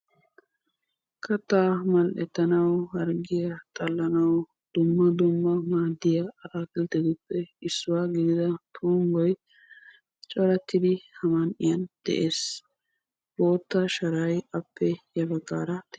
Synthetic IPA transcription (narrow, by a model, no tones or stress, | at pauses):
kʰɐt̪ːaːmɐlʔɛt̪ːɐnɐwhɐɾɡɪjɐt̪ʼɐlːɐnɐw | d̪̥ʊmːɐd̪ʊmːɐmaːd̪ːɪjɐɐɾakɪlt̪ɛd̪ʊpːɛɪsːʊwaːɡɪd̪ɪd̪ɐt̪ʰuːŋɡɔj | t͡ʃʼɔɾɐt̪ːɪd̪ɪhɐmɐnʔɪjɐnd̪̥ɛ̰ʔeːs | boːt̪ːɐʃɐɾɐjɐpːɛjɐbɐɡaːɾɐt̪